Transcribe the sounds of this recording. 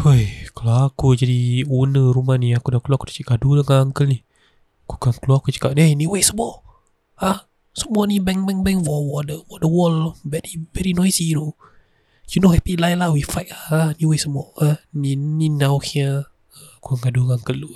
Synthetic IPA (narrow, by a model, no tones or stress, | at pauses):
hojkaloakud͡ʒadiunəɾumahniakudakluakudḁt͡ʃəɡaduləŋaŋkəlnih | ku̥kaŋkəluakut͡ʃə̥kaʔneniwesəmuɔ | ah | səmuɔnibɛŋbɛŋbɛŋwɔwɔdəwɔdəwɔlbɛɾibɛɾinɔjsiɾo | d͡ʒunohɛpilajlahwifajkahaniwesəmuɔanininawhia | ə | kuaŋɡaduŋaŋkəlːu